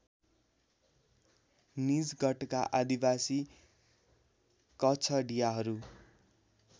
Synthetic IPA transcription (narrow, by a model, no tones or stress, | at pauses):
nid͡zɡʌʈkaʔad̪ibasi | kʌt͡sʰʌɖijaɦʌɾu